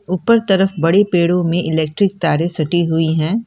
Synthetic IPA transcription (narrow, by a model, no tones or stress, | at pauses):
uːpəɾt̪ɐɾəfbɐɽepeːɽõmẽʔɪlɛːk̚ʈɾɪk̚t̪aːɾesɐʈiɦʊiɦɛ̃ː